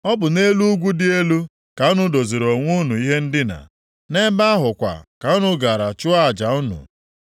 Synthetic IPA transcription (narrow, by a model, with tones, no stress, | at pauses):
ɔ˦bʊ˨ne˦lu˦ɡʷu˦dɪ˦e˦lu˦ | ka˨ʊ˦nʊ˦do˨ze˨ɾo˨ŋʷu˦nu˨i˦ɦe˦n̩˦dɪ˦na̰˨ | ne˦ba˦a˦ɦʊ˨kʷa̰˨ka˨ʊ˦nʊ˦ɡa˨ɾa˨t͡ʃʊ˦a˦a˨d͡ʒa˨ʊ˦nʊ̰˨